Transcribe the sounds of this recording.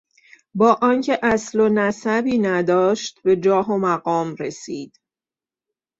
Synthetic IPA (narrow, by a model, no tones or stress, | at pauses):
bɒːʔɒːŋcʰe̞ʔæslonæsæbiːnæd̪ɒːʃt̪be̞d͡ʒɒːɦomæɡɒːmɾesiːd̪̥